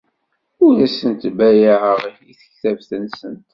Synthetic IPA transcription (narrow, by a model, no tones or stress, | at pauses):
ʊðæsənt̪bæjəʕəʁijiθə̥çθævθənsənt̪